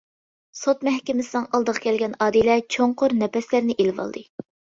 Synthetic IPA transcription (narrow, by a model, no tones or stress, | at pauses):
sot̪mɛhkʲɪmɪsɪnɨŋɑlˠd̪əʁɑ̥kʲʰɛlɡʲɛnɑːd̪ilɛt͡ʃʰoŋqʰʊɾnɛpɛslæɾnɪʔelvɑ̰l̰ˠd̪ɨ